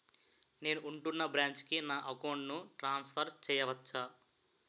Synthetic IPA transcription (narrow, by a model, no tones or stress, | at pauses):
ne̞ːnuʔːɳʈunːɐbɾaːɲt͡ʃkinaːʔɐkowɳɖnuʈɾaːnspʰɐɾt͡ʃɛːjɐʋɐt͡ʃːaː